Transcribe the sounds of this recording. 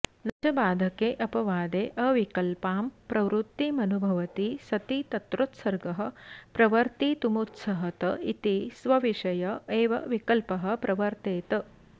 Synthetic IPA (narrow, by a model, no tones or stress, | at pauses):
nɐd͡ʒɐbaːd̪ʱɐkeːʔɐpɐʋaːd̪eːʔɐʋikɐlpaːmpɾɐʋɾut̪ːimɐnubʱɐʋɐt̪isɐt̪it̪ɐt̪ɾut̪sɐɾɡɐɦɐ̆pɾɐʋɐɾt̪it̪umut̪sɐɦɐt̪ɐit̪isʋɐʋiʃɐjɐeːʋɐ̰ʋikɐlpɐɦɐ̆pɾʔɐʋɐɾt̪eːt̪ɐ